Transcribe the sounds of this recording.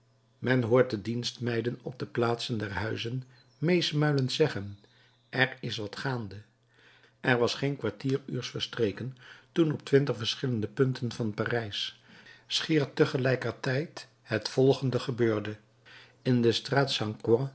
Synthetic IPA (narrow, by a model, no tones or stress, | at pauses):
mɛnɦʊːɹt̚dədinstmɛjdənɔb̚dəplaːtsəndɛrɦœɥzən | mejsmœɥləntsɛχən | ʔɛrɪsʋɑtχaːndə | ʔɛɹʋɑsχejnkʋaɹtiːry̰ːɹsfəɹstrejkəntunɔptʋɪntəχfəɹsχɪləndəpɵntənvɑnpaːrɛjs | sχɪːɹtːəχəlɛjkəɹtɛjt | ɦətfɔlˠχəndəχəbøːɹdə | ɪndəstraːtsɑŋkwɑ̃